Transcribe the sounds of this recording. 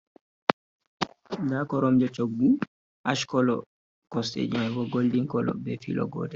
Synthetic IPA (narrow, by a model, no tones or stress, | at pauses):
nakɔɾɔmd͡ʒɔt͡ʃoɡbu | ʔaʃkɔlɔ̰ | kɔstḛd͡ʒumɛɡɔɡoldiŋkɔlɔ̰bɛfḭlɔ̰ɡɔ̰ːdɛ